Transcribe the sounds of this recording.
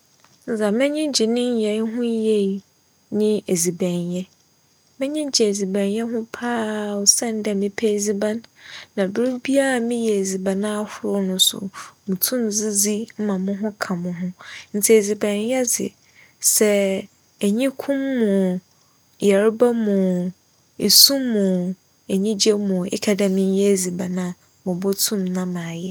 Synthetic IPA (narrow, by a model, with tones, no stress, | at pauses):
n̩˦za˨mɪ̃˦ɲɪ̃˦d͡ʑi˨nɪ̃˦ɲ˦jɛ˨˦ɦʊ̃˦je˦˨ | nɪ̃˦e˨zi˨bæ̃˨njɛ˦ | mɛ̃˦ɲɪ̃˦d͡ʑi˨e˨zi˨bæ̃˨njɛ˦ɦʊ̃˦pʰaː˦˨sɛ̃˦˨n˦dɛ˨mɪ̃˦pʰɛ˦˨zi˦ba˦nːã˨bɪ˦ɾu˦bi˦a˦a˨mɪ̃˦jɛ˨e˨zi˨ba˨nã˦a˦˨hʊ˨ɾʊ˦nʊ̃˦sʊ̰˨mũ˨tʰũ˦md͡zi˦d͡zi˦m̩˦mã˨mʊ̃˦ɦʊ̃˦kʰã˨mʊ̃˦ɦʊ̃˦n̩˨t͡sʰi˨e˨zi˨bã˨n˦jɛ˦d͡zɪ̰˨ | sɛ˦ | æ˨ɲĩ˦kʰʊ̃˦mːʊ̃˨ | jɛ˨ɾɪ˦ba˦mʊ̃˨ | e˨sũ˦mːʊ̃˨ | e˨ɲĩ˦d͡ʑɛ˦mʊ̃˨ɪ̰˦kʰa˨da˨mɪ̃˦n˦jɛ˦˨zi˨ba˨nã˨ | mʊ̃˨bʊ˦tʰũ˦mnã˦mã˨jɛ˦